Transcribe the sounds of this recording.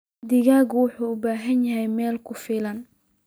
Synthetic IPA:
d̪ɪɣaːɣwʊħuːʊbaːɦɐnjɐɦɛjmɛːlkʰʊfɪːlɐn

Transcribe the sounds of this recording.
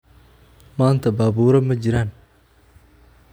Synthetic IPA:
maːnt̪abaːbuɾɐmːɐd͡ʒiɾan

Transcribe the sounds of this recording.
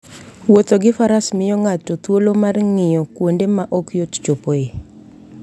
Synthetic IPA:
wot̪oɡɪfaɾasmɪjɔŋatːɔt̪wolomarŋɪjɔkwondemaʔɔkjott͡ʃopoe

